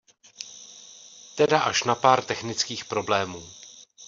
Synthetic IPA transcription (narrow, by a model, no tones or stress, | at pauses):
t̪ɛdaʔaʃnapaːɾt̪ɛxnɪt͡skiːxpɾo̞blɛːmuː